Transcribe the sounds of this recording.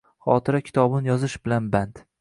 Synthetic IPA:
χɒ̰ːt̪ʰɪɾakʲʰɪ̥t̪ʰɒbɪnɪjɒzɪʃbɪlanbant̪

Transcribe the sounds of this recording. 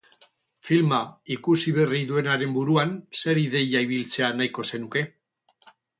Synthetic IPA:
filmaikusiβe̞riðue̞naɾe̞mbuɾuanse̞ɾiðe̞jaiβ̞ilt͡se̞anajko̞se̞nuke̞

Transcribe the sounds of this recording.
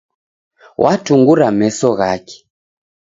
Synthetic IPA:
wʔatuŋɡuɾamɛsɔɣakɛ̥

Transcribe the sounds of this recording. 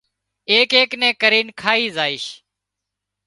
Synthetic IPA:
eːkeːknẽːkəɾiːnkʰaːiːzaːɪːʃ

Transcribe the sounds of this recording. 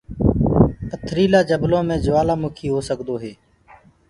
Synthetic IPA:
ət̪ʰɾiːlaːd͡ʒəblõːmẽːd͡ʒʊʋaːlaːmʊkʰiːɦoːsəkd̪oːɦeː

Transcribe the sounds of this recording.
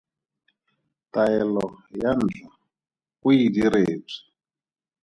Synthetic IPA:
taɛlɔjan̩d͡ɮa | kuidiɾeːb͡ʐi̥

